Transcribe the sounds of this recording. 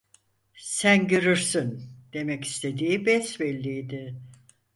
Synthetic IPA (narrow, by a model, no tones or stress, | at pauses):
sænɟøɾyɾsynd̪̥e̞mɛci̥st̪ʰe̞d̪iːbɛsbɛlʲːiːd̪ɪ